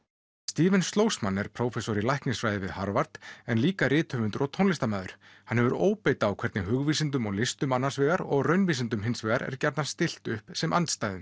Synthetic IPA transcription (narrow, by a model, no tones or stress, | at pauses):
st̪iːvɛnst̪loːwsmanːɛɾ̥pʰɾoːwfɛsɔɾɪlajhknɪŋsfɾaːjðɪvɪðhaɾvaɾt̪ɛnliːkaɾɪːt̪ʰœvʏnt̪ɾɔt̪ʰonlɪst̪amaːðʏɾ̥ | hanhɛvʏɾoːwpeːjt̪aːwkʰvɛɾt̪nɪɦʏɣviːsɪnt̪ʏmɔɣlɪst̪ʏmanːḁsvɛːɣaɾɔɣrœɥnviːsɪnt̪ʏmɦɪnsvɛːɣaɾɛ̰ɾ̥cɛɾt̪nḁst̪ɪl̥t̪ʏhpsɛmʔa̰nt̪st̪aːjðʏm